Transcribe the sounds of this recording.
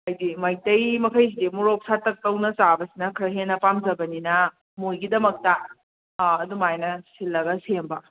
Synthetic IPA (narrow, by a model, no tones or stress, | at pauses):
ɐjdimɐjtɐjmɐkʰɐjs̬idimuɾop̚satːɐk̚tɐwnɐsabɐsinɐkʰɾɐɦenːɐpamzɐbɐninɐ | mojɡidɐmɐk̚tɐː | dumajnɐsilːɐɡɐsembɐ